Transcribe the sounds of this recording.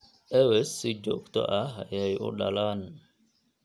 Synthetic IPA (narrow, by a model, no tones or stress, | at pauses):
ʔɛwɛsid͡ʒɔ̰kt̪ɔ̰ʔaɦajajʔṵɗalan